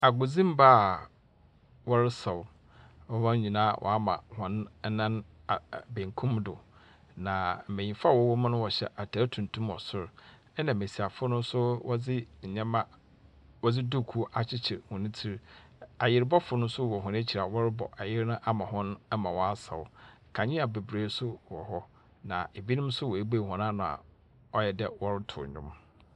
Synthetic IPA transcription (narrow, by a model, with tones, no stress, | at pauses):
a˨ɡʊ˨d͡zĩ˦m˦ba˦˨ | wɔ˦ɾɪ˦sa˨wʊ˨ | wɔ˦wã˦ĩ˨nãː˦˨wʔɔ̰˨a˦mã̰˨hɔ̃˦n˦nã˦n˨ | bẽ˨ŋkʰũ˦mdʊ̰˨ | nã˨m̩˨me˨ɲĩ˨fa˦˨wɔ˦wɔ˦mã˦nʊ̃˦wɔ˨ɕɛ̰˦ʔa˨tʰa˨ɾtʰũ˨n˨tʰũ˦mɔ̰˨sʊ˦ɾ | ɛ˦nã˨me˨si˨a˨fʊ˦nʊ̃˦sʊ˦wɔ˦d͡zɪ˦˨ɲɛ̃˦mã˦ | wɔ˦d͡zɪ˦du˦˨kʰu˦ʔa˨t͡ɕʰɪ˦t͡ɕʰɪ˨ɾhʊ̃˨nɪ̃˦tʰi˦ɾ | a˨jɪ˦ɾbɔ˦fʊ˨˦nʊ̃˦sʊ˦˨wɔ˨ɦʊ̃˨n˦e˦t͡ɕʰi˨ɾa˨wɔ˦ɾɪ˦bɔ̰˨ʔa˨jɪ˦ɾnʊ̃˦ʔa˦mã˨hɔ̃˦n˦mã˨wɔ˦a˦sa̰˨ʊ˨˦ | kʰã˨ɲɪ̃˦a˨be˨bɾeː˨˦sʊ˦wɔ̰˨hɔ˦ | nã̰˨e˨bi˦nʊ̃˦m˦sʊ˦wɔ˨e˦be˦˨hɔ̃˨n˦ã˦nã˨a̰˨ | ɔ˦jɛ˨dɛ˦wɔ˦ɾɪ˦tʰʊ̰˨ɲʊ̰̃˦m